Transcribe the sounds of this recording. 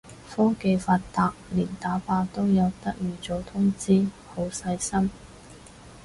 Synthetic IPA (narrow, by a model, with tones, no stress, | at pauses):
fɔː˥ke˧jfaː˧tt̪aː˧k̚liː˨˩nt̪aː˨˥paː˧t̪o˥wjɐ˨˧wt̪ɐ˥k̚jyː˨˩t͡so˨˥t̪ʰʊ˥ŋt͡siː˥ | ho˨˧˥wsɐ˧jsɐ˥m